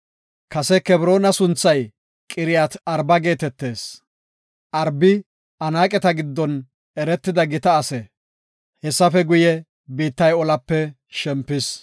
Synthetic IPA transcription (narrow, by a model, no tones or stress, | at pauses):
kɐsɛkɛbɾo̞ːnɐsʊnt͡sːɐj | kʼɪɾɪjat̪ɐɾbɐɡe̞ːt̪ɛt̪ːe̞ːs | ʔɐɾbɪ | ɐnaːkʼɛt̪ɐɡɪd̪ːɔn | ɛɾɛt̪ːɪd̪ɐɡɪt̪ɐːsɛ | hɛsːɐfɛɡʊjɛ | biːt̪ːɐjɔlɐpːɛ | ʃɛmpːɪs